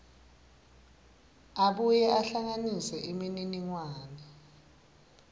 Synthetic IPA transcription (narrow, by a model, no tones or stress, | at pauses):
aɓujɛaɬaŋanisɛʔimininiŋwaːnɛ